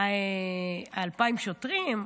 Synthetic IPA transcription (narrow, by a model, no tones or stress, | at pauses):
e | aːlpaimʃot̪ʁim